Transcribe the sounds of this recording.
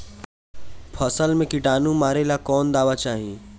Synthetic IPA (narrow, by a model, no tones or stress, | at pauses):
pʰəsəlmẽkɪʈaːnũmaːɾelakɔːnd̪aːʋat͡ʃaːɦi